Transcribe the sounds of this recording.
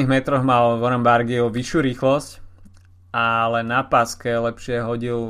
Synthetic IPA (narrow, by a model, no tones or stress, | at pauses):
iɦmɛt̪ɾɔɣmalʋɔɾɛmbaɾɡiɔʋiʃjuːɾiːxlɔsc | ʔalɛnːapaskɛlɛpʃɪɛɦɔɟil